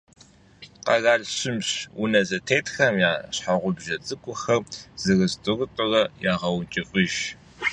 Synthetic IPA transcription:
qɐ̰ɣaːɮɕɪmɕwʊnɐzɐtʰeːtxɐmjaːɕħaʁʷʊbʒɐt͡sʼɨkʷʼʊxɐrz̥ɨrɨzdʼɨrɨtʼʊrɐjaːʁɐwnt͡ʃʼɪfʼɪʒ

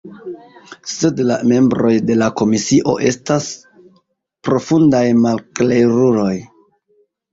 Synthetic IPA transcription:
se̞dla̰me̞mbɾo̞jde̞lako̞misiʔo̞̰ʔe̞stas | pɾo̞fundajmalklejɾuɾo̞j

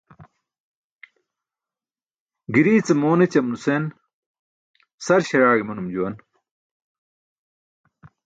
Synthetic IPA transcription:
ɡiɾiːt͡semoːnet͡ɕɐmnusen | sɐɾɕɐɾaːɡimunumd͡ʑuwɐn

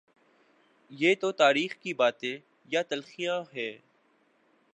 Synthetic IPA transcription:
jeːt̪ot̪aːɾiːxkibaːt̪ẽ | jat̪ɐlxijãɦɛː

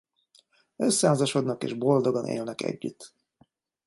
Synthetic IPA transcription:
øsːɛɦaːzɒʃo̞d̪nɒkḛːʒbo̞ld̪oɡonḛːlnɛkɛ̰ɟːyt̪

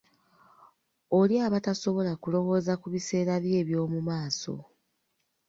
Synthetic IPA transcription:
oljaːβataso̞βo̞lakulo̞wo̞ːzakuβise̞ːɾaβje̞ːβjo̞ːmumaːso̞̰

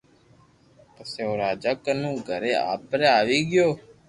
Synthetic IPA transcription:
pəseːoːɾaːd͡ʒakənũːɡʱəɾeːa̰ːpɾeaːʋiːɡɪjoː

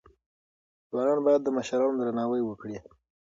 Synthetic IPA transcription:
zwɑnɑnbɑjad̪ːəməʃɾɑnod̪ɾanɑwəjwəkɽi

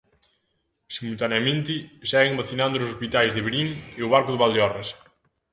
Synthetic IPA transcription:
simult̪aneamẽnt̪ɪsɛɣɪŋbaθinãnd̪ʊʊsospit̪ajzðɪβeɾiŋeʊβaɾkʊðɪβald̪eɔres

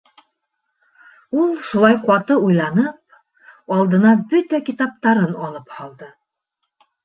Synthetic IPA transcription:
ulˠʃulˠɑjqɑt̪ɤujlˠɑnɤp̚ | ɑlˠd̪ɤ̆nɑbɵt̪ækit̪ɑp̚t̪ɑɾɤnɑlˠɤphɑlˠd̪ɤ

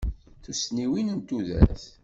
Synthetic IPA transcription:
θusniwinənt̪uðæ̰θ

